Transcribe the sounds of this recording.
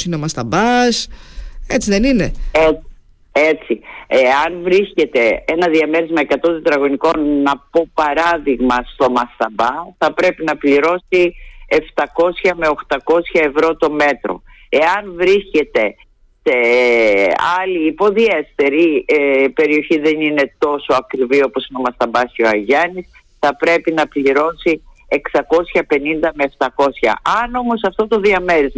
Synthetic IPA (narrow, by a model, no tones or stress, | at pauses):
sinemɐst̪ɐmbɐset͡siðe̞nine̞e | et͡sieɐnvɾisce̞t̪e̞enɐðiɐme̞ɾezmɐekɐt̪o̞t̪od̪ɾɐɣo̞niko̞nːɐpo̞pɐɾɐðiɣmɐst̪o̞mɐst̪ɐmbɐθɐpɾe̞pinɐpliɾo̞sieft̪ɐko̞sçɐme̞o̞xt̪ɐko̞sçɐe̞vɾo̞t̪o̞me̞t̪ɾo̞̰ | e̞ɐnvɾisce̞t̪e̞ | se | ɐliːpo̞ðie̞st̪e̞ɾipe̞ɾio̞çiðe̞nine̞t̪o̞so̞ɐkɾivio̞po̞sino̞mɐst̪ɐmbɐsoɐʝɐnis | θɐpɾe̞pinɐpliɾo̞si | eksɐko̞sçɐpe̞nind̪ɐmeːft̪ɐko̞sçɐ̰ɐno̞mo̞sɐft̪ot̪o̞ðiɐme̞ɾiz